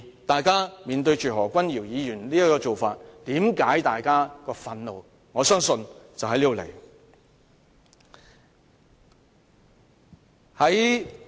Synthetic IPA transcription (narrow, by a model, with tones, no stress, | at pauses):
t̪aː˨jkaː˥miː˨nt̪ɵ˧ɥt͡ʃyː˨ɦɔː˨˩kʷɐ˥njiː˨˩wjiː˨˧jyː˨˩nliː˥jɐ˥kɔː˧t͡so˨wfaː˧t̚t̪iː˨˥mkaː˨˥jt̪aː˨jkaː˥kɔː˧fɐ˧nlo˨w | ŋɔː˨˧sœː˥ŋsɵ˧nt͡sɐ˨whɐ˨˥jliː˥o˨˧lḛ˨˩j | hɐ˨˥j